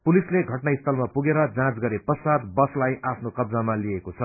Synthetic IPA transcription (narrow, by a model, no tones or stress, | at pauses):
pulisleɡʱʌʈnaist̪ʰʌlmapuɡeɾʌd͡zãt͡sɡʌɾepʌsad̪bʌslajʔapʰnokʌbd͡zamaliekot͡sʰʌ